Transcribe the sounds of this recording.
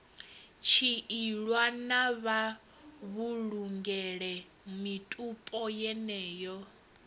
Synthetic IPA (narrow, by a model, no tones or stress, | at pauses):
t͡ʃʰiiɺwanaβa | βuɺuŋɡɛɺɛ | mitʼupʼɔjɛnɛːjɔ